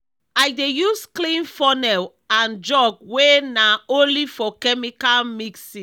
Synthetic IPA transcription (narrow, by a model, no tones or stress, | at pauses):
ajdejusklĩnfɔnɛl | ãnd͡ʒɔɡ̚wenaõnlifɔkɛmikalmiksĩ